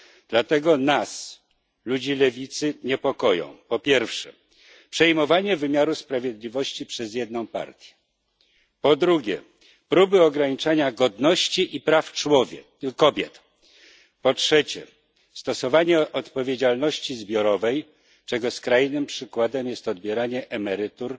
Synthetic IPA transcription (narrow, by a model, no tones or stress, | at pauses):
d̪̥lat̪ɛɡɔnas | lud͡ʑilɛvʲit̪sɘɲɛpɔkɔjɔ̰̃w̃pɔpʲjɛɾfʂɛ̰ | pʂɛjmɔvaɲɛvɘmʲjaɾuspɾavʲjed̪lʲivɔɕt͡ɕipʂɛzjɛd̪nɔ̃w̃pa̰ɾt̪ʲjɛ̥ | pɔd̪ɾuɡʲjɛ̰ | pɾubɘɔɡɾaɲit͡ʂaɲaɡɔd̪nɔɕt͡ɕiʔipɾaft͡ʂwɔvʲɛ | kɔbʲjɛt̪ | pɔtʂɛt͡ɕɛ̰ | st̪ɔsɔvaɲɛʔɔt̪pɔvʲjed͡ʑalnɔɕt͡ɕizbʲjɔɾɔvɛj | t͡ʂɛɡɔskɾajnɘmpʂɘkwad̪ɛmjɛst̪ɔd̪̚bʲjɛɾaɲɛʔɛmɛɾɘt̪uɾ